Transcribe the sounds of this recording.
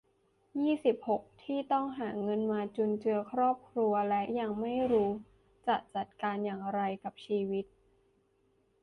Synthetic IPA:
jiː˥˩si˨˩p̚ho˨˩k̚t̪ʰiː˥˩t̪ɔ˥˩ŋɦaː˩˦ŋɤ˧nmaː˧t͡ɕu˧nt͡ɕɯ˧ɐkʰɾɔː˥˩p̚kʰɾu˧ɐlɛ˦˥ʔja˧ŋma˥˩jɾuː˦˥ | t͡ɕa˨˩t̪̚t͡ɕa˨˩t̪̚kaː˧njaː˨˩ŋɾa˧jka˨˩p̚t͡ɕʰiː˧wi˦˥t̪̚

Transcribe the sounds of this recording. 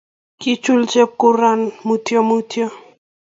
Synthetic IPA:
ki˦t͡ʃu˦lt͡ʃe˦p̚ku˦ɾa˦nmu˦t̪jo˦mu˦tʰjo˦

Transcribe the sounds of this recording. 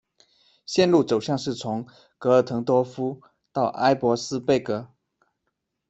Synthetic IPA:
ɕjɛ˥˧nlu˥˩t͡so˨˩ʊɕjɑ˥˧ŋʂɻ̩˥˩t͡sʰʊ˧˥ŋ | kɤ˧˥ə˧˩t̪ʰɤ˧˥ŋt̪wɔ˥fu˥ | t̪ɑ˥˩ʊʔa˥ɪpwɔ˧˥sɹ̩˥pe˥˩ɪkɤ˧˥

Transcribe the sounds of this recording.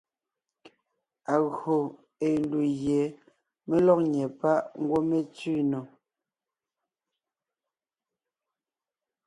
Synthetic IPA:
a˨ɣo˨ | e˨n˦du˨ɣjɛ˨˦ | me˦lɔ˦k̚ɲɛ˨pa˦ʔŋ˦ɡwo˦me˦t͡si˦nɔ˨

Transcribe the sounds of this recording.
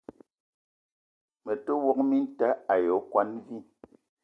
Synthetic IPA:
mə˨to˦wɔ˦k̚mi˦n˦ta˦a˨jɔ˨˦kwa˦nvi˦

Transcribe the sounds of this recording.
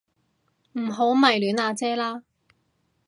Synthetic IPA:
m̩˨˩ɦo˨˥wmɐ˨˩jlyː˨˥naː˧t͡sɛː˥laː˥

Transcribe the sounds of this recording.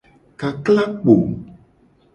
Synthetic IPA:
ka˨kla˦k͡po˨

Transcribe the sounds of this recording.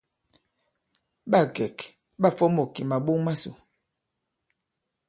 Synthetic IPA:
ɓa˦˨ɡɛ˨k | ɓa˦˨fɔ˦mo˨ki˨ma˨ɓo˦ŋma˦sṵ˨

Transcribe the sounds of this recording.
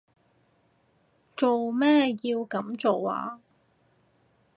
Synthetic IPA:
t͡ʃo˨wmɛː˥jiː˧wkɐ˨˥mt͡so˨wa̰ː˨˦

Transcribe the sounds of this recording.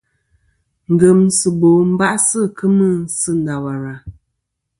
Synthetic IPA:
ŋ̩˨ɡə˨msɨ˨bo˨m̩˦ba˦ʔsɨ˦kʰɨ˦mɨ˦˨sɨ˦n̩˨da˨wa˨ɾa˨

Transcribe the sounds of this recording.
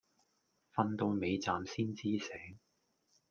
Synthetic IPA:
fɐ˧nt̪o˧wme˨˧jt͡saː˨msiː˥nt͡siː˥sɛː˨˥ŋ

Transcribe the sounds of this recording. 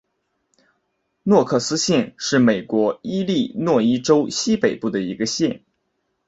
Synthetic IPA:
nwɔ˥˧kʰɤ˥˩sɹ̩˥ɕjɛ˥˧nʂɻ̩˥˩me˨˩ɪkwɔ˧˥i˥li˥˧nwɔ˥˩i˥ʈ͡ʂo˥ʊɕi˥pe˨˩ɪpu˥˩d̪ə˩i˧˥ɡə˧ɕjɛ˥˧n

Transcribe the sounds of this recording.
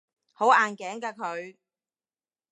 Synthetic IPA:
ho˨˥wʔaː˨nkɛː˨˥ŋkaː˧kʰɵ˨˧ɥ

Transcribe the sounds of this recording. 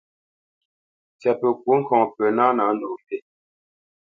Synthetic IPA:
t͡sɛ˨pə˨k̚wu˦ŋ̩˦˨kʰɔ̃˨ŋpə˨na˦na˨˦ndo˨m˨pe˦˨

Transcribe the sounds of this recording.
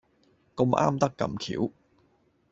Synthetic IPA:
ko˧mʔa̰ː˥mt̪ɐ˥kːɐ̰˧mkʰḭː˨˥w

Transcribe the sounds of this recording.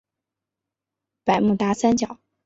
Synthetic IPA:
pa˨˩ɪmu˥˩t̪a˧˥sa˥nt͡ɕjɑ˨˩˦ʊ

